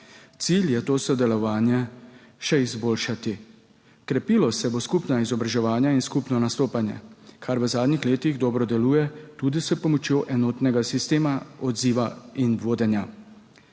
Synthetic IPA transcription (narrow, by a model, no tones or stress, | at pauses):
t̪siljɛt̪oːsɔd̪ɛlɔʋaːnjɛ | ʃɛizboːlʃat̪i | kɾɛpilɔsɛboskupnaizɔbɾaʒɛʋaːnjainskupnɔnast̪oːpanjɛ̰kʰaɾʋəzaːd̪nixleːt̪iɣd̪ɔbɾɔd̪ɛluːjɛt̪uːd̪isəpɔmɔt͡ʃjoːʔɛnɔːt̪nɛɡasist̪eːmaɔd̪ziːʋainʋoːd̪ɛnja